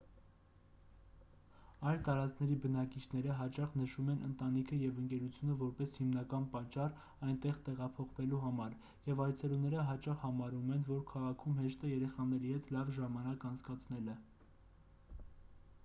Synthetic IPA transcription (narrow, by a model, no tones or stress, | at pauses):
ɑjlt̪ɑɾɑt͡skʰnɛɾibənɑkit͡ʃʰn̪ɛɾəɦɑt͡ʃɑχnəʃumɛnʔə̰nt̪ɑnikʰəjɛvəŋkɛɾut͡sʰjunəvɔɾpɛshimnɑkɑnpɑt͡ʃːɑr | ɑjnt̪ɛʁt̪ɛʁɑpʰɔχvɛluɦɑmɑɾ | jɛvɑjt͡sʰɛlunɛɾəɦɑt͡ʃɑχhɑmɑɾumɛnvɔɾkʰɑʁɑkʰumɦɛʃt̪əjɛɾɛχɑnɛɾihɛt̪lɑvʒɑmɑnɑkɑnt͡sʰkɑt͡sʰn̪ɛlɛ